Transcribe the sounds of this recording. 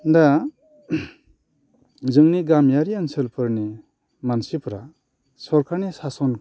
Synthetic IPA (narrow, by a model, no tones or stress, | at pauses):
nda | zɯŋniɡamjaɾiansɯlpʰɯɾni | mansipʰɾa | sɔɾkʰanisasɔn